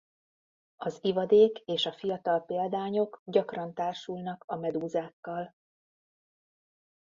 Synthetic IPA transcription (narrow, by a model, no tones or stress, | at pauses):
ɒzivɒd̪eːkeːʃɒfijɒt̪ɒlpeːld̪aːɲo̞kɟɒkrɒnt̪aːrʃulnɒkɒmɛd̪uːzaːkːɒl